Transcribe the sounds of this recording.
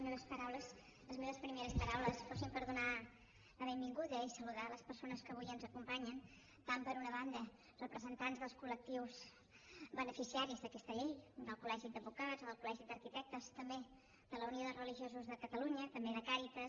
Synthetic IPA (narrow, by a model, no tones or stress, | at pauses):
zmeβəspəɾawləs | ləzmeβəspɾimeɾəspəɾawləsfɔsimpəɾðuna | ləβembiŋɡuðəisəluðaləspəɾsonəskəβ̞ujənzəkumpaɲən | t̪ampəɾunəβand̪ə | rəpɾəzənt̪anzðəlˠskulək̚t̪iwz | bənəfisiaɾizðəkɛst̪əʎejd̪əlˠkulɛʒid̪əbukad͡zoðəlˠkulɛʒid̪əɾkit̪ɛk̚t̪əst̪əmbe | d̪̥ələunioðərəliʒiozuzðəkət̪əluɲət̪əmbeðəkaɾit̪əs